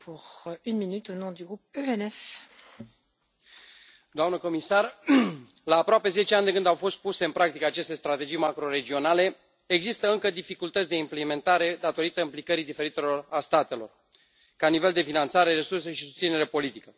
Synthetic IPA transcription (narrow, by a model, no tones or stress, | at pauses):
pʰuʁynminyt̪onɔ̃d̪yɡʁup̚øɛnɛf | d̪oamnəko̞misar | laːpɾoape̞ze̞t͡ʃeand̪ekɨnd̪awfo̞st̪̚puse̞ɨnpɾak̚t̪ikəat͡ʃe̞st̪est̪ɾat̪e̞d͡ʒijmakɾo̞ɾe̞d͡ʒio̞nale̞ | eɡzist̪əɨŋkəd̪ifikult̪ət̪sʲd̪e̞impleme̞nt̪aɾe̞d̪at̪o̞ɾit̪əĩmplikəɾid̪ife̞ɾit̪e̞lo̞rast̪at̪e̞lo̞̰r | kanive̞ld̪e̞finant̪saɾe̞ɾe̞surs̬e̞ʃisust̪sine̞ɾe̞po̞lit̪ikə